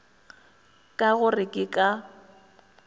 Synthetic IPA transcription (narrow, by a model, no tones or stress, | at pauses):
kʼaɣʊrɪkʼɪkʼa